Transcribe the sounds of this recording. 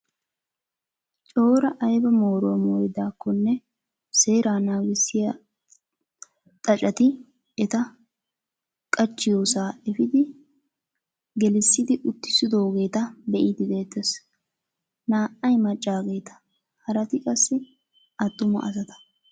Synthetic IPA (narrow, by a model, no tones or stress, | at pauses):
t͡ʃʼo̞ːɾɐʔɐjbɐmoːɾomoːjd̪aːkːɔnːɛ | se̞ːɾaːnaːɡɪsːɪjɐ | t̪ʼɐt͡ʃʼɐt̪ɪ | ɛt̪ɐ | kʼɐt͡ʃːɪjo̞ːsaːɛfɪd̪ɪ | ɡɛlɪsːɪd̪ɪʔʊt̪ːɪ̥sɪd̪o̞ːɡe̞ːt̪ɐbɛʔid̪ɪd̪e̞ːt̪ːes | naːʔɐjmɐt͡ʃʼːaːɡe̞jt̪ɐ̥ | hɐɾɐt̪ɪkʼɐsːɪ | ɐt̪ːʊmɐ̰ʔɐsɐt̪ɐ̥